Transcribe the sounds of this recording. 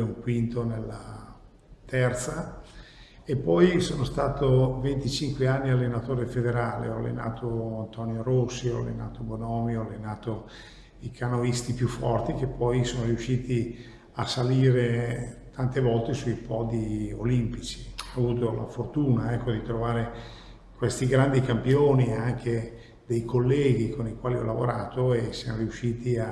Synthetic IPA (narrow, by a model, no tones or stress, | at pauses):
uŋkwint̪onelːa̰ | t̪ʰɛrt̪sa | epːɔjsoːnost̪aːt̪ovent̪it͡ʃiŋkweanːialːenat̪oːɾefed̪eɾaːlḛɔa̰lːḛna̰ːt̪ʰoant̪ɔnjoɾosːiɔ̰a̰lːḛna̰ːt̪obonɔːmiɔalːenaːt̪o | ikʰanovist̪ipjufːɔrt̪ik̟epːɔjsoːnoɾiuʃːiːt̪i | asːaliːɾet̪ʰant̪evɔlt̪esuipɔːd̪io̰limpit͡ʃi̥avuːt̪ola̰fort̪uːnaɛkːod̪it̪ɾovaːɾe | kwest̪iɡɾand̪ikampjoːniaŋk̟ʰe | d̪ejkʰolːɛːɡ̟ikonikwaːliɔ̰lavoɾa̰ːt̪oesːjamoɾiuʃːiːt̪ia